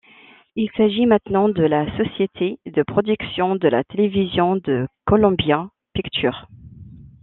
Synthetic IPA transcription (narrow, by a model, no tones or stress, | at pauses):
ilsaʒimɛ̃t̪nɑ̃d̪əlasɔsjet̪ʰed̪əpχɔd̪yksjɔ̃d̪əla̰t̪elevizjɔ̃d̪əkɔlɔ̃bjɛ̃ | pikt̪ʰyːʁ